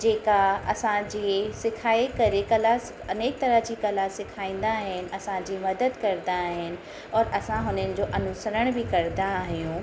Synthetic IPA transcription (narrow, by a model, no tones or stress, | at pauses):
d͡ʑeːkaɐsãd͡ʑisɪkʰaːikɐɾekɐlas | ɐneːk̚t̪ɐɾəɦd͡ʑiːkɐlasɪkʰaːĩːn̆d̪aɦɪnɪ̆ɐsãd͡ʑiːmɐd̪əd̪kɐɾd̪aɦɪnɪ̆ | ɔːɾɐsãɦʊnənɪ̆d͡ʑoːʔɐnʊsəɾəɽ̃bʱɪkɐɾd̪aːɦijũː